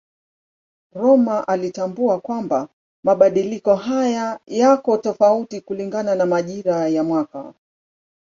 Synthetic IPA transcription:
ɾɔmaʔalitambuakwamba | maɓaɗilikɔɦajajakɔtɔfautikuliŋɡananamaʄiɾajamwaka̰

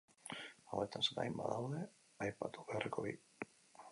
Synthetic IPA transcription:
a̰wet̪anset̪a̰jmba̰ðawðe̞ | ajpat̪uβearikoβi

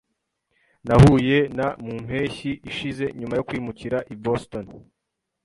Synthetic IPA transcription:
nahuːje̞namum̥he̞ːçiʔiʃize̞ɲumajo̞kwiːmuciɾaʔiboston

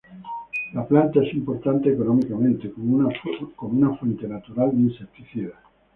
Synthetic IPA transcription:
laplant̪aesimpo̞ɾt̪ant̪eːko̞nomikamẽnt̪ekomkomunafwent̪e̞nat̪uɾald̪einsep̚t̪iθiða

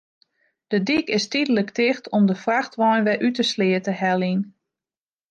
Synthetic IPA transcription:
d̥ədikɪstidələktɪxtʰɔmdəfraxtʋɔjnʋɛʔytəslɪətəhɛlˠin

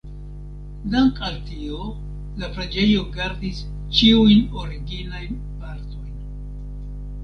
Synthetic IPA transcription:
daŋkaltio̞ | lapɾad͡ʒe̞jo̞ɡaɾdis | t͡ʃiujno̞ɾiɡinajn | paɾto̞jn

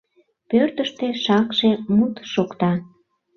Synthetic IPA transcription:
pørt̪əʃt̪eʃɑkʃemut̪ʃokt̪ɑ

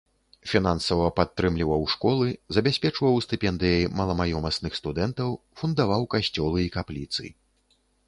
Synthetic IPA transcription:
fʲin̪ansɐvɐpat̪ːɾɨmlʲivɐwʂkɔlˠɨzɐbʲasʲpʲɛt͡ʂvɐwst̪ɨpʲɛnd̪ɨjɐjmɐlˠɐmajɔmɐsnɨxst̪ud̪ɛnt̪ɐw | fund̪avawkaɕʲt͡sʲɔlˠɨikaplʲit̪sɨ̰

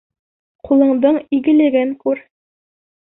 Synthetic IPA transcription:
qulˠɤ̆ɴd̪ɤɴiɡɘ̆lɘ̆ɡɘŋkʉɾ

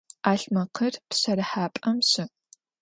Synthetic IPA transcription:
aːɬmɐqʰɐrtɕɐɾɐħaːpʼɐmɕɪ

